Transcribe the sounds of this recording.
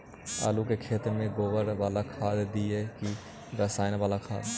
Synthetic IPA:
a̰ːlukekʰeːt̪ɾmẽɡoːʋəɾʋaːlakʰaːd̪d̪ieki | ɾəsaːɪnʋaːlakʰa̰ːd̪

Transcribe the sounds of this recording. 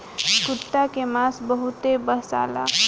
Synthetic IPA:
kut̪ːakemasbəɦut̪ebəsa̰la̰

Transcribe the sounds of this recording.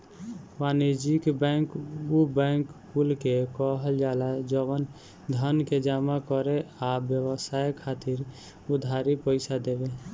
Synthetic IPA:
maned͡ʒikbɛ̃ŋkubɛ̃ŋkkulkekɔɦəld͡ʒaːlad͡ʒɔwən | d̪ʱənked͡ʒamakɔɾeabjəwəsajkʰaːt̪iɾ | ʊd̪ʱaɾipəɪsad̪ebe

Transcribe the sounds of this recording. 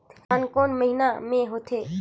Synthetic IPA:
t̪kaːnkoːnməɦɪnamẽɦoːt̪ʰeː

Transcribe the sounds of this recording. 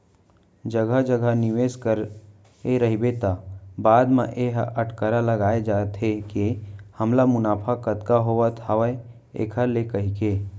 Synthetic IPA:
d͡ʒəɡʱəd͡ʒəɡʱənɪʋeːskəɾ | eɾɐɦibet̪abaːd̪mã̰ʔeɦəʈkəɾaləɡaːed͡ʒaːt̪ɦekehɐmlamʊnaːpʰakət̪kaɦoʋət̪həʋə | ḛːkʰəlekɐɦike

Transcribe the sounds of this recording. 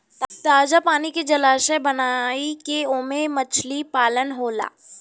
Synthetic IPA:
t̪aːd͡ʒapaːniked͡ʒɐlaːsebɐnaːikeʊmemət͡ʃʰlipaːlənɦoːla̰ː

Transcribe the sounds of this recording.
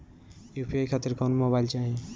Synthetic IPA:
jupʰiajkʰaːt̪iɾkʰonmobajlt͡ʃaɦĩ

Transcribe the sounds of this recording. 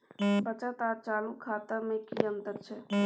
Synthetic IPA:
pət͡ʃət̪aːɾt͡ʃaːlukʰaːt̪əmẽkiənt̪əd̪̚t͡ʃʰɛ

